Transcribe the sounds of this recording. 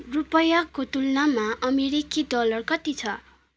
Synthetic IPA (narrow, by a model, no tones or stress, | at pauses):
rupʌjakot̪ulnamaʔʌmeɾikid̪ʌlʌrkʌt̪it͡sʰʌ